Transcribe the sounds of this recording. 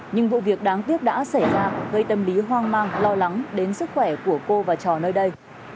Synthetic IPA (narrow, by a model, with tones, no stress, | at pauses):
ɲɨ˧ŋvṵ˧˨vi˨˩ək̚ɗaː˨˦ŋt̪i˦˥əp̚ɗa̰ː˧˥sa˧˩jzaː˧ɣə˧jt̪ə˧mli˨˦ɦwaː˧ŋmaː˧ŋlɔ˧la˨˦ŋɗe˨˦nsɨ˦˥k̚xwɛ˧˩ku˧˩əko˧vaː˨˩t͡ɕɔ˨˩nəː˧jɗə˧j